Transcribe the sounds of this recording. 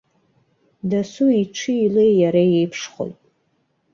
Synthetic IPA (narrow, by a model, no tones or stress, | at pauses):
dasuiʈ͡ʂʷʰɨilejjaɾajejpʰʂχo̰jtʼ